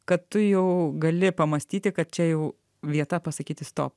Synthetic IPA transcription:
kɐt̪t̪ʊjɛʊɡɐlʲɪpɐmɐsʲt̪ʲiːt̪ʲɪkɐt̪̚t͡ʃʲɛjɛʊ | ʋʲiɛt̪ɐpɐsɐkʲiːt̪ʲɪst̪o̰ːp

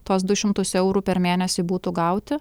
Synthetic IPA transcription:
t̪oːsd̪ʊʃʲɪmt̪ʊsɛʊɾuːpʲɛɾmʲeːnʲɛsʲibuːt̪uɡɐʊt̪ʲɪ

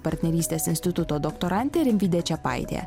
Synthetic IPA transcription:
part̪nʲeɾist̪ʲeasinst̪it̪ut̪od̪okt̪oɾant̪ʲeɾimvʲid̪ʲet͡ʃʲapa̰jd̪ʲḛa̰

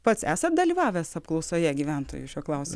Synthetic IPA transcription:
pɐt̪sæːsɐt̪̚d̪ɐlʲiːʋɑːʋʲɛsɐpklˠɐʊsoːjɛɡʲiːʋʲænt̪o̰ːjuʃʲuɔklˠɑʊsʲɪ

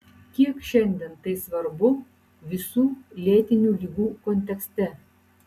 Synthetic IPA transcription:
kʲiɛkʃʲɛnʲd̪ʲɛnt̪ɐɪsʋɐɾbʊ | ʋʲɪsuːlʲiɛt̪ʲɪnʲuːlʲiːɡuːkɔnʲt̪ʲɛksʲt̪ʲɛ

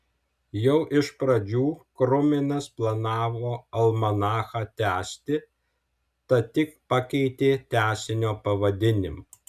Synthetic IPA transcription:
jɛʊʔɪʃpɾɐd͡ʒʲuːkɾʊmʲɪnɐsplˠɐnɑːʋoːɐlˠmɐnɑːxɑːt̪ʲæːsʲt̪ʲɪ | t̪ɐt̪ʲɪkpɑkʲɛɪt̪ʲeːt̪ʲæːsʲɪnʲoːpɐʋɐd̪ʲɪnʲɪmɑ

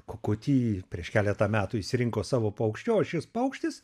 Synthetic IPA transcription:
kokʊt̪ʲiːpʲɾʲiɛʃkʲæːlʲɛt̪ɑmʲæːt̪uʊiʃʲsʲɪɾʲɪŋkoːsɑːʋoːpɐʊkʃʲt͡ʃʲoːʃʲɪspɐʊkʃʲt̪ʲɪs

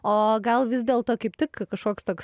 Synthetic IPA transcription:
oːɡɐlˠʋʲɪzʲd̪ʲeːlˠt̪oːkɐɪp̚t̪ʲɪkkɐʃkoːkst̪oːks

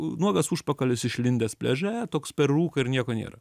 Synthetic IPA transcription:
nuɔɡɐsuːʃpɐkɐlʲɪsɪʃʲlʲɪnʲd̪ʲeːspʲlʲɛʒʲæːjɛt̪oːkspʲɛrːuːkɐɪɾnʲiɛkoːnʲḛːɾɐ

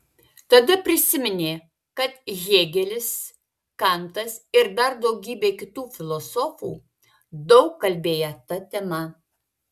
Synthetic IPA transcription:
t̪ɐd̪ɐpʲɾʲɪsʲɪmʲɪnʲeː | kɐt̪ʒʲeːɡʲɛlʲɪs | kɐˑnt̪ɐsɪɾd̪ɐɾd̪ɒʊɡʲiːbʲeːkʲɪt̪uːfʲɪlˠosoːfṵː | d̪ɒʊkːɐlʲbʲeːjɛt̪ɐt̪ʲɛmɐ

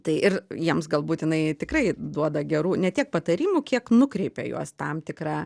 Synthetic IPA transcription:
t̪ɐɪʔɪrjiɛmsɡɐlˠbuːt̪jɪnɐɪt̪ʲɪkrɐɪd̪uɔd̪ɐɡʲɛɾuːnʲɛt̪ʲiɛk̚pɐt̪ɐɾʲiːmʊkʲiɛknʊkɾʲɛɪpʲḛjṵɔst̪ɐmt̪ʲɪkɾɑː

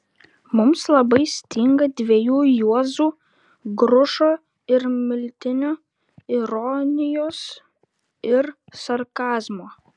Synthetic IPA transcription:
mʊmslˠɐbɐɪsʲt̪ʲɪŋɡɐd̪ʲʋʲɛjuːjuɔzuː | ɡɾʊʃoː | ɪɾmʲɪlʲt̪ʲɪnʲoː | ɪɾɔnʲɪjoːs | ɪɾsɐɾkɑːzmoː

